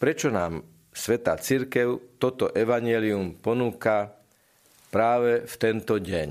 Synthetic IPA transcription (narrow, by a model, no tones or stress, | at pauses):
pɾɛt͡ʃɔnaːm | sʋɛt̪a̰ːt͡siɾkɛʊt̪ɔt̪ɔʔɛʋaɲɪɛliumpɔnuːka | pɾaːʋɛft̪ɛnt̪ɔɟɛɲ